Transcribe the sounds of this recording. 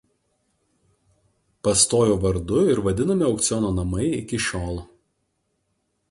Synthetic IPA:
pɐst̪oːjoːʋɐɾd̪ʊɪɾʋɐd̪ʲɪnɐmʲɪɒʊkt̪sʲɪjɔːnoːnɐmɐɪɪkʲɪʃʲoːlˠ

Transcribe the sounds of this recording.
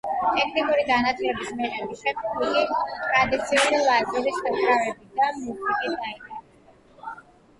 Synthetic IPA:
t̪ʰʼɛkʰnikʼuɾiɡanat̪sʰʼilɛbismɛʁɛbiʃɛkʰubilit̪ʼɾad̪it̪sʰiulilˠazɛlisɛkɾavɛbid̪amusikʼit̪d̪aitʼɛ

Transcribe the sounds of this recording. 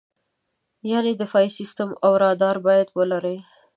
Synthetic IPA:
jɑned̪əfɑjsist̪əmawɾɑd̪ɑɾbɑjad̪wəlaɾəj

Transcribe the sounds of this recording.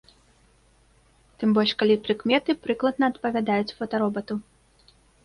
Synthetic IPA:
t̪ɨmbɔlʲʂkalʲipɾɨkmʲɛt̪ɨpɾɨklˠɐd̪̚nɐːt̪pɐvʲad̪ajut͡sʲfɐt̪ɐɾɔbɐt̪u

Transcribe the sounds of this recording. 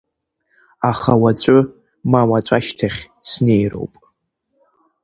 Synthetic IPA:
aχawat͡ɕʷʼʊ | mawat͡ɕʷʼaʃtʰaχʲ | sne̞jro̞̰wpʼ

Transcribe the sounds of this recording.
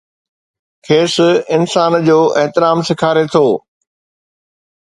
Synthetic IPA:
kʰeːsɪnsaːnd͡ʑoːʔɛɦt̪ɪɾaːmsɪkʰaːɾet̪ʰoː

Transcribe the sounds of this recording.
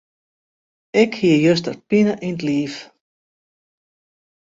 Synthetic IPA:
ɛkhiəjøs̬tə̰rpinəʔintliːf

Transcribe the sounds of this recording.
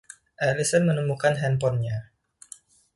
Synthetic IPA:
ʔɛlisənmənəmukanɦɛnpɔnɲa

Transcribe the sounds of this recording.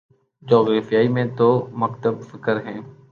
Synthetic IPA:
d͡ʒɔːɣɾaːfijaːimẽt̪oːməkt̪əbfɪkəɾɦɛ̃ː

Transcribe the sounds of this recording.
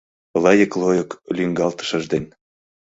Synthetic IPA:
lɑjə̆klojoklʲyŋɡɑlt̪ə̥̆ʃə̆ʒd̪en

